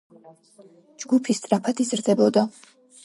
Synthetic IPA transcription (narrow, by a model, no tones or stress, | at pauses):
d͡ʒɡupʰist̪ʼɾapʰat̪ʰizɾd̪ɛbɔd̪a